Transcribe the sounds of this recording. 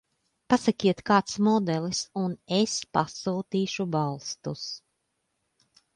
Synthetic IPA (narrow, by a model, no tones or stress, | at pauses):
pasakʲiɛt̪kaːt̪smɔd̪ɛlˠisunespa̰suːt̪iːʃubalˠst̪us